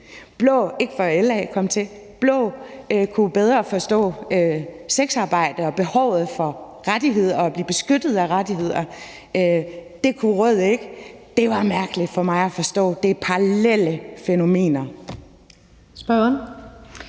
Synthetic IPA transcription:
b̥lɔ̰̽ːe̝ɡ̥fɒelɛːkʰɒ̽m̰t͡sʰe̝ | b̥lɔ̰ːkʰub̥eð̞ˠʁɐfɒ̽sd̥ɔ̰̽ːøseɡ̥sɑ̈ːb̥ɑ̈ɪ̰d̥əɒ̽b̥e̝hɒʊð̞̩ˠfɒ̽ | ʁad̥iɦe̝ð̞̰ˠɐːb̥liːb̥e̝sɡ̥ød̥ð̞̩ˠæʁɑad̥ihe̝ð̞̰ˠɐ | ød̥e̝kʰuʁɔð̞̰ˠeɡ̥əd̥e̝ʋɑ̈mæɐɡ̥əlid̥fɒ̽mɑ̈ɪæfɒ̽sd̥ɔ̰̽ːd̥e̝pʰɑʁlel̰əfeno̝me̝̰ːnɐ | sb̥ɶn

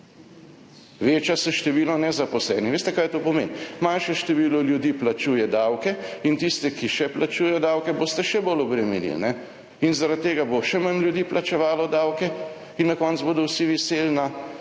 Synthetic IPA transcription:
ʋeːt͡ʃjasɛʃt̪ɛʋiːlɔnɛzapɔslɛːniʋeːst̪ɛkaːjɛt̪oːpɔmḛːnmanʃɛʃt̪ɛʋiːlɔljud̪iːplat͡ʃuːjɛd̪awkɛint̪ist̪ɛkiʃɛplat͡ʃuːjɛd̪awkɛboːst̪ɛʃɛbolɔbɾɛmilḭlnɛ | inzaɾat̪̚tːeːɡaboʃɛmanljud̪iːplʔat͡ʃɛʋaːlɔd̪awkɛ | inːakɔnt̪zboːd̪ɔwsiʋiselna

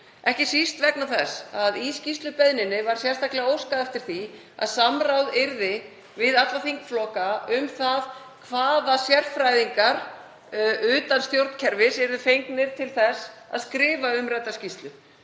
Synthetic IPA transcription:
ɛhcɪsist̪vɛknawθɛsaðiscist̪lʏpɛðnɪnɪvaɾ̥sjɛ̥st̪aklɛɣaowskaðɛft̪ɪɾ̥θi | a̰ðsamrawðɪɾðɪ | vɪðat̪lvaθiŋkflɔkaʏmθað | kʰvaːðasjɛr̥fɾajðiŋkaɾ | ʏːt̪anst̪jowɾt̪n̥cʰɛɾvɪsɛɾðʏfejŋknɪɾ̥t̪ʰɪlθɛsa̰ðskɾɪːvaʏmrɛt̪ːascist̪lʏ

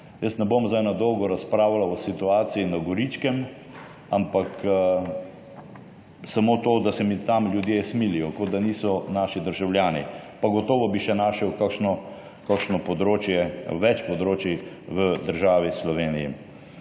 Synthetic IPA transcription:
jəsnɛbomzd̪ajnad̪ɔwɡɔɾaspɾaːwalaɔsit̪uaːt̪siinaɡɔɾit͡ʃkɛm | ampak | samot̪oːd̪asɛmit̪amljud̪jesmilijɔkod̪aniːsɔnaːʃid̪əɾʒawljaːnḭpaɡɔt̪ɔːʋɔbiʃɛnaːʃɛwkakʃnɔ | kakʃnɔpɔd̪ɾoːt͡ʃjɛʋɛt͡ʃpɔd̪ɾoːt͡ʃi | ʋəd̪əɾʒaːʋislɔʋeːnijḭ

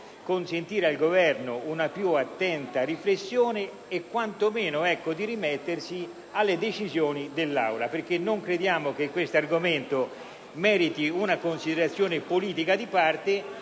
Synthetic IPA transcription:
konsent̪iːɾalɡovɛrnʊunapjuat̪ːɛnt̪ariflesːjoːne | ekːwant̪omeːnʊɛkːod̪irimɛt̪ːersi | alːed̪et͡ʃizjoːnid̪elːa̰wlaperk̟enːoŋkɾed̪jaːmok̟ekːwest̪arɡoment̪o | mɛːɾit̪iunakonsid̪eɾat̪sːjoːnepoliːt̪ikad̪ipart̪e

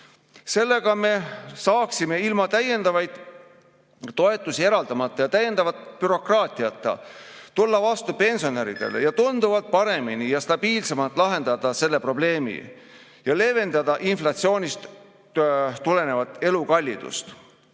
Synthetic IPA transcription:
se̞lːe̞ɡ̥ɑme̞sɑːksime̞ilmɑt̪æje̞nd̪ɑvɑjd̪̥ | o̞e̞t̪ːˑusie̞ɾɑld̪ɑmɑt̪ˑːɑjɑt̪æjːe̞nd̪̥ɑvɑt̪ːˑpyɾo̞krɑːt̪iɑt̪ːˑɑ̰t̪ulːɑvɑst̪upe̞nso̞ne̞ɾḭd̪̥e̞̰lḛjɑt̪und̪uvɑlt̪̚pɑɾe̞minijɑst̪ɑb̥iːlse̞mɑlt̪ːˑlɑɦe̞nd̪̥ɑd̪̥ɑse̞lːe̞pro̞ble̞ːmḭ | jɑle̞ve̞nd̪̥ɑd̪ɑʔinflɑt̪sio̞ːnʲist̪ | t̪ule̞ne̞vɑt̪ːˑe̞lukɑlʲːid̪̥ṵst̪

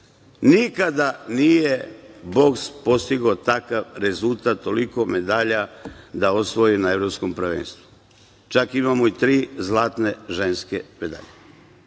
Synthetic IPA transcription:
nikad̪anijebo̞kspo̞st̪iɡot̪akaʋɾe̞zult̪at̪ːo̞liko̞me̞d̪aʎad̪aosʋojinae̞ʋɾopsko̞mpɾaʋḛnst̪ʋu | t͡ʃakimamoit̪ɾiːzlˠaːt̪ne̞ʒe̞nske̞me̞d̪a̰ʎe

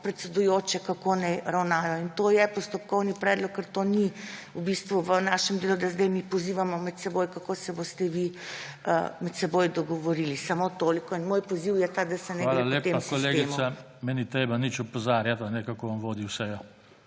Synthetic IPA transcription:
pɾɛt̪sɛd̪ujoːt͡ʃɛkakonɛjɾawnaːjɔint̪oːjɛpɔst̪ɔp̚kɔwnipɾɛːd̪lɔkːəɾt̪oniubist̪ʋuʋənaːʃɛmd̪eːlud̪azd̪ɛjmipɔziːʋamɔmɛt̪sɛboːjkakoːsɛbost̪ɛʋiəmɛt̪sɛboːjd̪ɔɡɔʋɔɾiːlisamot̪oːlikɔinmoːjpoziwjɛt̪ad̪ɐsɛnɛaɡlealeːemmskoleːɡ̪eiːmsua | mɛnit̪ɾeːbanit͡ʃupɔzaːɾjat̪anɛkakoʋamʋoːd̪iwsɛjɔ

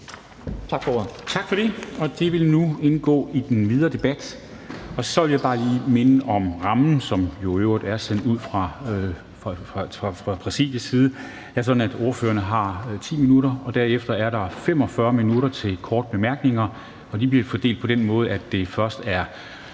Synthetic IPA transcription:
t͡sʰɑɡ̥fɒt͡sʰɑ̈ɡ̥fɒd̥e̝ɒ̽d̥e̝ʋe̝lnue̝nɡ̥ɔ̰ːid̥enʋið̞ˠɐːd̥e̝b̥æd̥ | ɒ̽sɒ̽ʋe̝ljaɪb̥ɑ̈ːliːme̝nəʔɒ̽mʁɑ̈mn̩sɒ̽mjo̝øʊ̰ʁid̥æɐsen̰d̥uð̞̰ˠfʁɑ̈ | ʁɑ̈fʁɑ̈pʰʁɛsḭːd̥jəsiːð̞̩ˠə | d̥eæɐsɒ̽dn̩æd̥o̝ːɐfø̰ːɐnəɦɑ̈t͡sʰḭːminuɾɐɒ̽d̥æɐ̰efd̥ɐæɐɾɑ̈fem̰ɒ̽fɶɐminuɾɐt͡sʰe̝lkʰɒːd̥̚b̥e̝mæɐɡ̥ne̝ŋɐ | ɒ̽d̥ib̥liɐfɒd̥e̝̰ːld̥̚pʰɒ̽d̥en̰mɔ̽ːð̞̩ˠæd̥ːe̝fɶɐsd̥æɐ

